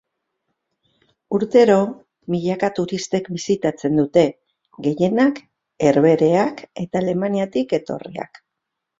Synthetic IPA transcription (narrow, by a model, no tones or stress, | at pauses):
uɾt̪e̞ɾo̞ | miʎakat̪uɾist̪e̞kbisit̪at͡se̞nd̪ut̪e̞ | ɡe̞je̞nak | e̞ɾβe̞ɾe̞ake̞t̪aːle̞maniat̪ike̞t̪o̞̰rḭa̰k